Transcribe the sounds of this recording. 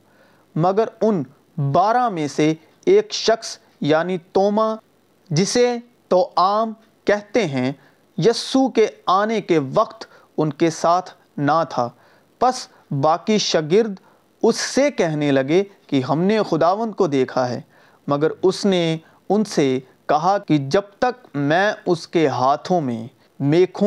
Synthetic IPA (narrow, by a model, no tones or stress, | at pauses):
mɐɡəɾʊn | baːɾãmẽse | eːkʃɐxs | jaːnit̪oːma | d͡ʒɪse | t̪oːʔaːm | kɛɦt̪eɦɛ̃ | jɐsukeaːnekeʋɐqt̪ | ʊnkesaːt̪ʰ | nat̪ʰaː | pɐs | baːkiʃɐɡɪɾd̪ | ʊsːekɛɦnelɐɡekiɦɐmnexʊd̪aːʋə̃nd̪̚kod̪eːkʰaɦɛ̰ː | mɐɡəɾʊsne | ʊnse | kɐɦakid͡ʒɐb̚t̪ɐk̚mɛ̃ːʊskeɦaːt̪ʰõmḛ̃ | meːkʰu